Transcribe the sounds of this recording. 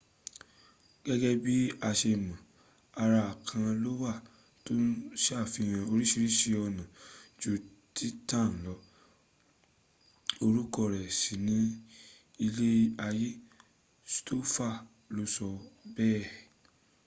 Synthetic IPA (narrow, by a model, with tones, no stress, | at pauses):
ɡ̥ɛ˦ɡɛ˦bi˦a˧ʃe˧˨mã˨ | a˧ɾa˧a˨kʰã˧lo˦wa˦˨ | to˦n̩˦ʃa˦˨fi˧˨j̃ã˧o˧ɾi˦ʃi˧ɾi˦ʃi˧ɔ˧nã˨d͡ʒo˨˧tʰi˦tã˦˨n̩˨lɔ˨˦ | o˧ɾu˦kɔ˧˨ɾɛ˨si˨nĩ˦ | i˧le˦a˧je˦ | sto˦fa˦˨ | lo˦sɔ˧bɛː˦˨